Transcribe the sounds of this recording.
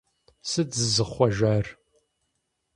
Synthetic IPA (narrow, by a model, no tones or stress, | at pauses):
sɨd͡zɨzɨχʷɔʒar